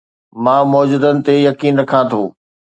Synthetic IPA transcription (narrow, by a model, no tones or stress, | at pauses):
mãːmɔːd͡ʑud̪ənɪ̆t̪ejɐkiːnɾɐkʰãt̪ʰoː